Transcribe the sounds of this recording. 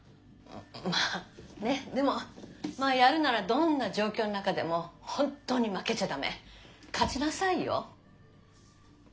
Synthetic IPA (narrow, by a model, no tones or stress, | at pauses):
maːne̞d̪e̞mo̞maːjaɾɯ̟naɾad̪õ̞nːaʑo̞ːkʲo̞ːnonakad̪e̞mo̞hõ̞nt̪ːo̞ːɲ̟imake̞t͡ɕad̪ame̞̰kʰat͡ɕinasaijo̰